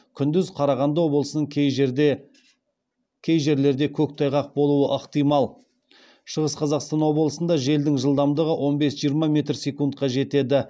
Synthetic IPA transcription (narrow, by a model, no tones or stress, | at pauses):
kʲʰʏnd̪ʏzqʰɑɾɑʁɑnd̪ɑwo̞blˠəsənəɴj | kʲʰe̞jʒe̞ɾle̞ɾd̪e̞kʲʰɵk̚t̪ʰɑjʁɑq̚bo̞lˠuəʔəqt̪ijmɑlˠ | ʃəʁəsqʰɑzɑqst̪ɑnwo̞blˠəsənd̪ɑʒe̞ld̪ɪŋʒəlˠd̪ɑmd̪əʁəwʔo̞nbe̞sʒijəɾmɑmʲe̞t̪rsʲe̞kunt̪̚qɑʒe̞t̪e̞d̪ɪ